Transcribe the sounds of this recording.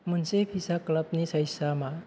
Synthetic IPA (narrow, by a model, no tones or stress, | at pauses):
m̤ənsepʰisakləpnisəjsama